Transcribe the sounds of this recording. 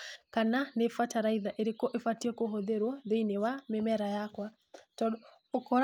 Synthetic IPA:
kananefataɾaiðaʔeɾekɔʔefatiɛkoɦɔðeɾwɔðeinewamemɛɾajakwa | tɔ | okɔɾ

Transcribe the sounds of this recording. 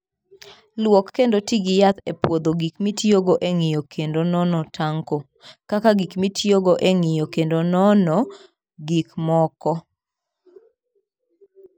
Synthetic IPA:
lwɔkːendotiɡɪjat̪epwod̪oɡikmitjoɡoʔeŋɪjokʰendonɔnɔtʰaŋko | kakaɡikmitʰjoɡoʔeŋɪjokendonɔnɔ | ɡikmɔkɔ

